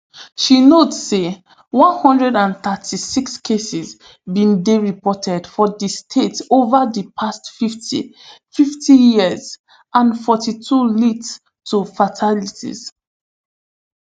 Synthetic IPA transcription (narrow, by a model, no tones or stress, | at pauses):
ʃinotsːe | wɔ̃nhɔ̃ndɹɛdãnθətʰisikskʰesiz | bĩndeɹipɔtʰɛdfɔdistʰetovəðipʰastfiftʰḭfiftʰijiəz | ʔãnfɔtitʰulits | tʰufatʰalitʰḭz̥